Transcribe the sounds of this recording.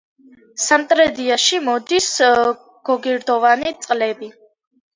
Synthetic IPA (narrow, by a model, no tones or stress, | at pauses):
samt̪ʼɾɛd̪iaʃimɔd̪is | ɡ̥ɔɡiɾd̪ɔvanit̪sʼqʼlɛbi